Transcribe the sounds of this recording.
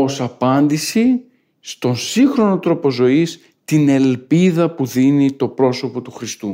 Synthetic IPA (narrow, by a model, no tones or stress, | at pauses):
o̞sɐpɐnd̪isi | st̪o̞nsiŋxɾo̞no̞t̪ɾo̞po̞zo̞is | t̪ine̞lpiðɐpuðinit̪o̞pɾo̞so̞po̞t̪uxɾist̪u